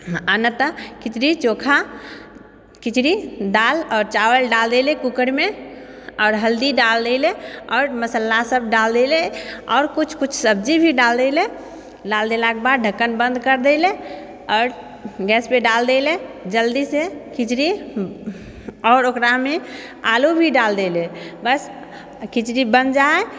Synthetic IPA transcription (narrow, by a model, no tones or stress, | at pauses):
anət̪əkɪt͡ʃɾit͡ʃokʰa | kɪt͡ʃɾid̪aːlɔːɾt͡ʃawəlɖald̪elekukəɾme | ɔːɾɦəld̪iɖald̪eleɔːɾməsəlːasəb̚ʱɖald̪eleɔːɾkut͡ʃʰkut͡ʃʰsəbd͡ʒibʱiɖald̪ele | ɖald̪elakebad̪ɖʱəkːənbə̃nd̪kəɾd̪ele | ɔːɾ | ɡɛːspeɖald̪eled͡ʒəld̪isekit͡ʃɾi | ɔːɾokɾame | alubʱiɖald̪elebəs | kit͡ʃɾibə̃nd̪d͡ʒaɛ